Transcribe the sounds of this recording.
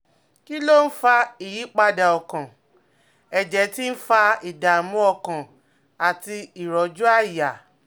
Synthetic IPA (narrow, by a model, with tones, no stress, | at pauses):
ki˦lo˦n̩˦fa˧i˨ji˨˦k͡pa˧da˨ɔ˨kã˨ | ɛ˨d͡ʒɛ˨˧˦ti˦n̩˦fa˧i˨da˨˦mũ˦ɔ˧kã˨ | a˨ti˧i˨ɾɔ˨d͡ʒu˦a˦˨i˨ja˨